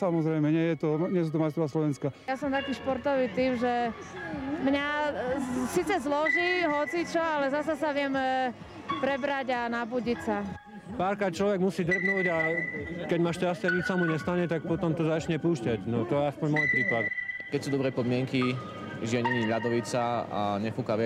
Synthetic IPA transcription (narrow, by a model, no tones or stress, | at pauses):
samɔzɾɛjmɛɲɛjɛt̪ɔɲɛs̬ut̪ɔmajst̪ɾɔʋaslɔʋɛnskajasɔmt̪akiːʃpɔɾt̪ɔʋiːt̪iːmʒɛ | mɲa | siːt͡sɛzlɔʒiɦɔt͡sit͡ʃɔalɛzasasaʋɪɛm | pɾɛbɾaɟanabuːɟicsa | paːɾkɾaːt̪̚t͡ʃlɔʋɛɡmusiːd̪r̩bnuːɟakɛɟmaʃcascɛaɲit͡ʃsamuɲɛst̪aɲɛt̪ak̚pɔt̪ɔmt̪ɔzat͡ʃɲɛpuːʃcaɟnɔt̪ɔjɛaspɔɲmɔjpɾiːpad̪kɛc̚suːd̪ɔbɾɛpɔd̪mɪɛŋki | ʒiaɲɛɲiʎad̪ɔʋit͡saa̰ɲɛfukaʋɪ